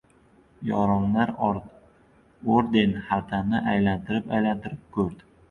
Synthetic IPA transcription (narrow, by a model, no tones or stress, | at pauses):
jɒ̰ɾɒmlaɾɾ | oɾd̪e̞nhat̪ʰanɪʔajlant̪ʰɪɾɪpajlant̪ʰɪɾɪp̚kʰɵɾd̪ɪ